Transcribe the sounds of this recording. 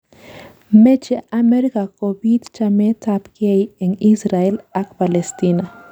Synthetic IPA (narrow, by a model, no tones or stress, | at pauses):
met͡ʃeʔameɾikakobid̪t͡ʃamet̪apkejeŋisɾaelakpalest̪ina